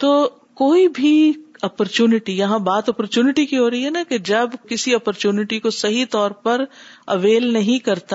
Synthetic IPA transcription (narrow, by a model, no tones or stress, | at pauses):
t̪oː | koːibʱiɔːpɔɾt͡ʃjuːnɪʈijɐɦãbaːt̪ɔːpɔɾt͡ʃuːnɪʈikiɦoːɾɐɦiɦɛnaked͡ʒɐbkɪsiɔːpɔɾt͡ʃuːnɪʈikosɐɦit̪ɔːɾpɐɾɐʋeːlnɐɦĩkɐɾt̪a